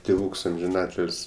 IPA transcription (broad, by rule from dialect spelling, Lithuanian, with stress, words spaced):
tʲeːˈʋuːks ɐmʲʒʲɪˈnɑːtʲɪlʲsʲ